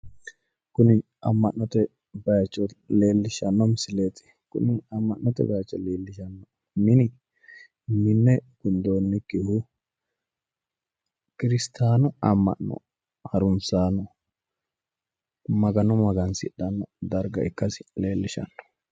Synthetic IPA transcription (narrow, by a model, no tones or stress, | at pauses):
kʊnɪ | ɐmːɐnːɔt̪ɛ | bɐjt͡ʃʼːɔleːlːɪʃɐnːɔmɪsɪleːt̪ɪ̥ | kʊ̰nɪɐmːɐnːɔt̪ɛ̰bɐjɐt͡ʃʼːɔleːlːɪʃɐnːɔ | mɪnɪ | mɪnːɛɡ̥ʊnd̪oːnːɪkːɪhʊ | kɪɾɪst̪ʰaːnɔɐmːɐ̰nːɔ̰ | hɐɾʊnsaːnɔ | mɐɡɐnɔmɐɡɐnsɪᶑːɐnːɔd̪ɐɾɡɐ̰ɪkːɐsɪ̥leːlːɪʃɐ̰nːɔ̥